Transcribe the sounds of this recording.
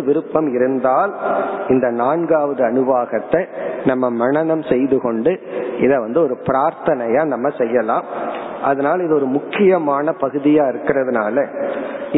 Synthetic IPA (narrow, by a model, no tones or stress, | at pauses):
ʋɪɾɯpːɐmɪɾɯnd̪aːlɪnd̪ɐnaːnɡaːʋɐðɯɐnɯʋaːɣɐt̪ːɐɪnɐmːɐmɐɳɐnɐmsɛjðɯkɔɳɖɯʔɪðɐʋɐnd̪ɯɔɾɯpɪɾaːɾt̪ɐnɐjaːnɐmːɐsɛjːɐlaːm | ʔɐðɐnaːlɪðɯɔɾɯmʊkːɪjɐmaːnɐpɐɣɯðɪjaːɪɾɯkːɪrɐðɯnaːlɐ